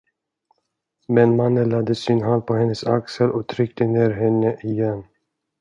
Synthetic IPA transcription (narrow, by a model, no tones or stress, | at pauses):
mɛnmanːəlad̪ːəsɪnɦand̪̚pʰɔhɛnːəsa̰ksəlɔt̪ʰɾʏk̚t̪əneːɾɦɛnːəʔɪjɛnː